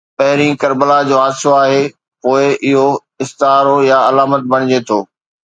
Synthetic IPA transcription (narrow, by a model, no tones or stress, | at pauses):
pɐɦɪɾĩkɐɾbəlad͡ʑoːɦaːd̪ɪsoaːɦeː | poːɪʔɪɦo | ɪst̪ɦaːɾojaɐlaːmət̪bɐɽ̃ɪd͡ʑet̪ʰoː